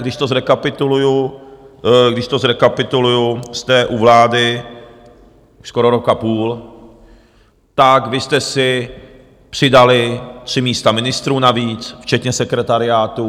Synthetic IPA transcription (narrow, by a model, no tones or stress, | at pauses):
ɡdɪʃt̪o̞zɾɛkapɪt̪uluju | ɡdɪʃt̪o̞zɾɛkapɪt̪ulujust̪ɛʔuvlaːdɪ | skoɾoɾokapuːl | t̪akvɪst̪ɛsɪ | pr̝̥ɪdalɪt̪r̝̥ɪmiːst̪amɪnɪst̪ɾuːnaviːt͡sft͡ʃɛt̪ɲɛsɛkɾɛt̪aɾɪaːt̪u